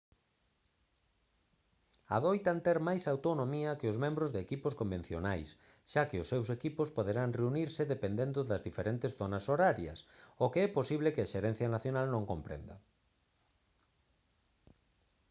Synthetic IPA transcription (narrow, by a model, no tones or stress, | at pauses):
a̰ðojt̪ant̪ɛɾmajsawt̪onõmiɐkeʊzmẽmbɾʊzðekipʊskomben̟θjo̰najs | ʃakɪʊsːewsekipʊspoðeɾaŋreuniɾsɪðepend̪end̪ʊðɐzðifeɾent̪ɪsθonɐsoɾaɾjɐ̰sokeɛposiβlɪkɪaʃeɾɛn̟θjɐnaθjonalnõŋkompɾḛnd̪ɐ